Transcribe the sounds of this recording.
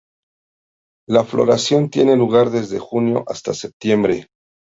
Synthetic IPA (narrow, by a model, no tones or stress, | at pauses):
laflo̞̰ɾasjo̞nt̪je̞ne̞luɣ̞aɾðe̞zðe̞xunjo̞̰ʔast̪asep̚t̪je̞mbɾe̞